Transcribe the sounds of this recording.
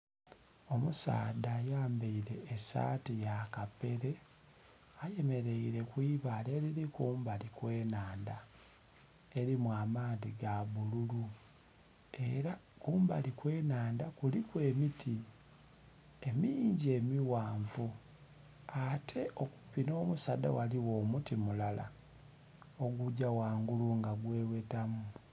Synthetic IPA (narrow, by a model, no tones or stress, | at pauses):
o̞musa̰ːdaːjaːmbeiɾe̞ːsa̰ːtijakape̞ɾe̞ | aje̞me̞ɾe̞iɾe̞kwiːβale̞ɾiɾikuːmbalikwe̞ːnaːnda̰ | e̞ɾimwaːmaːðiɡaβululu | e̞ɾakuːmba̰likwe̞ːnaːndakulikwe̞ːmitʰi | e̞miːɲɟe̞ːmiwaːɱvu | atʰe̞ʔoku̥pino̞ːmusada̰waliwo̞ːmutimulala̰ | o̞ɡuɟawaːŋɡuluŋɡaɡwe̞ːwe̞tamu